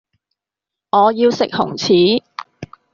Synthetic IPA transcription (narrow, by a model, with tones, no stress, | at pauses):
ŋɔː˨˧jiː˧wsɪ˨k̚hʊ̰˨˩ŋt͡sʰiː˨˥